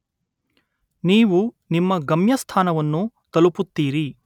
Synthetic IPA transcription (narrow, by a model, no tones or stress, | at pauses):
niːʋu | nimːɐɡɐmjɐst̪ʰaːnɐʋɐnːu | t̪ɐluput̪ːiːɾi